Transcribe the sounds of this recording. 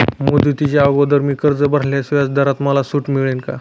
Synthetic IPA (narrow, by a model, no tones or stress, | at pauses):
mod̪ut̪it͡ɕjaəɡod̪əɾmiːkəɾd͡zəbəɾ̤ljasjat͡sd̪əɾat̪məlasuːʈmiɭenka̰